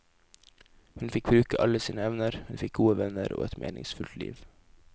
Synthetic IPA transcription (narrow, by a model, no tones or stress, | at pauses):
hʉnfɪkbɾʉːkəʔɑləsiːnəɛʋnəɾhʉnfɪk̚ɡuːəʋɛnəɾʔo̰ːɛt̪mʔḛːnɪ̰ŋsfʉlt̪lḭːʋ